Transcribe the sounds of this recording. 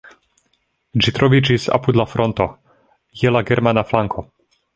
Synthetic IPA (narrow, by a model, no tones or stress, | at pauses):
d͡ʒit̪ɾɔʋit͡ʃisa̰pud̪lafɾɔnt̪ɔ | jɛlaɡɛɾmanaflaŋkʰɔ